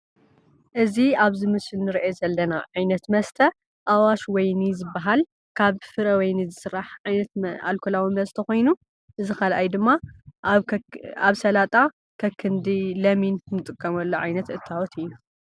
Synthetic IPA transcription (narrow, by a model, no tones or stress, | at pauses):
ʔɨziaβzɨmɨsɨlnɨɾiʔezɐlːɐna̰ʕajnɐt̪mɐst̪ʰɐ | ʔawaʃwɔjnizɨbːaɦal | kʰaβfɨɾɐwɐjnizɨsɨɾːaħʕajnɐt̪a̰lkʰolawimɐst̪ʰɐxojnu | ʔɨzikalʔajd̪ɨmːa | aβsɐlat̪ʼa | kʰɐkʰːɨnd̪ilɐminnɨt̪ʼɨkʼːɐmɐlːoʕajnɐt̪ʔɨt̪ʰːawɔt̪ɨjna